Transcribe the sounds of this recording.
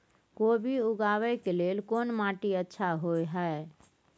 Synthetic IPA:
kobʱiʊɡaʋɛkelelkonmaʈiətːʃʰaɦojɦəe

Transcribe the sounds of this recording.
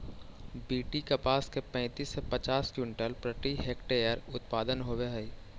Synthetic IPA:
biːʈikɐpaːskepɛ̃ːt̪iːsːepɐt͡ʃaːskjʊɳʈəlpɾəʈiɦeːkʈeːjəɾʊt̪paːd̪ənɦoːʋeɦəi

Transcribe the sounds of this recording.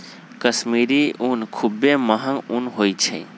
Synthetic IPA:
kəsmiɾiunkʰubẽməɦə̃ŋunɦojt͡ʃʰḛ̃

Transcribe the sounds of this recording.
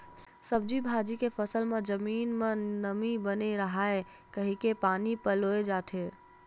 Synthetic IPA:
səb̚d͡ʒibʱad͡ʒikepʰəsəlmed͡ʒəmiːnmenəmibəneɾəɦae | kəɦikepanipəloed͡ʒat̪ʰe

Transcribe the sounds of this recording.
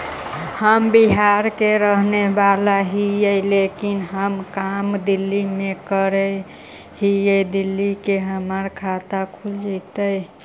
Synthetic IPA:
həmbiɦaɾkeɾəɦnebalaɦijəjlekinɦəmkamd̪ilːimekəɾe | hijed̪ilːikeɦəməɾkʰat̪akʰuld͡ʒit̪ə

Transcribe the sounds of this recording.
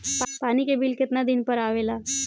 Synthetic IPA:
panikebiːlket̪nad̪inpəɾaʋela

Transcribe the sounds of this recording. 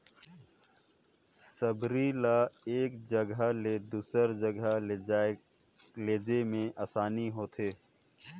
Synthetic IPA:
səbɾilaeːkd͡ʒəɡəled̪uːsəɾd͡ʒəɡʱə | leːd͡ʒemẽʔaːsaːniɦoːt̪ʰeː

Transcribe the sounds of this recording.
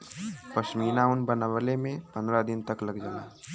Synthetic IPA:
pəʃmiːnaʊnbənaʋəlemẽpə̃nd̪ɾad̪ɪnt̪əkləɡd͡ʒala̰ː

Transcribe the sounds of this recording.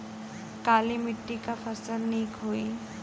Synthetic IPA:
kaːlimiʈːikafʰəɾsəlniːkɦoi

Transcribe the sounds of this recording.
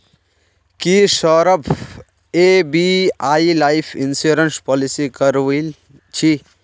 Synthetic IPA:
kiʃɔːɾəpʰ | ebiaːilaːipʰinsuɾənspɔːlisikɐɾʋi | t͡ʃʰi

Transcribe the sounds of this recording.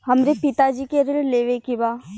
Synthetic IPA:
hɐmɾepɪt̪ad͡ʒikeɾɪlleːʋekɪbaː

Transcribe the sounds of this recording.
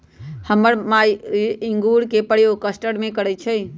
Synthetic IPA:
həməɾmajiŋɡuɾkepəɽ̤jokəsʈəɽmekəɾɛt͡ʃʰɛj

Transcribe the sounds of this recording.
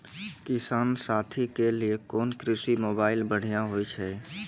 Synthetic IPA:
kɪsaːnsaːt̪ʰikeliekɔːnkɾɪsimoːbaːɪlbəɽ̤ijãɦoːit͡ʃʰɛː

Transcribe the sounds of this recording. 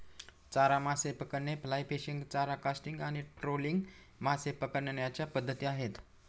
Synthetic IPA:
t͡saɾamasepəkəɾɳeplajpeɕiŋɡt͡saɾakasʈiŋɡañiʈɾoliŋɡ | masepəkəɾɳaɳjat͡ɕjapəd̪ʱːət̪iːaɦet̪

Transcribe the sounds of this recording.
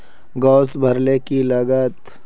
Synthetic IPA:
ɡɔːsbʱəɾlekiləɡət̪

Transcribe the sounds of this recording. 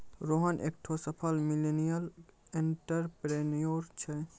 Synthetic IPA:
ɾoɦənʔḛk̚ʈʰosəpʰəlmilenijəleɳʈəɾpɾenijoɾt͡ʃʰɛ

